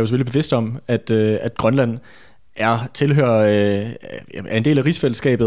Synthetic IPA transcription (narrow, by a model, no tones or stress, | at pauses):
jos̬følib̥e̝ʋe̝sd̥ɒ̽mæd̥øæd̥ɡ̥ʁɶnlæn̰ | ʔæɐt͡sʰe̝lɦøːɐ̰ | æɐende̝̰ːlæʁisfeləsɡ̥ɛ̰ːb̥ð̩ˠ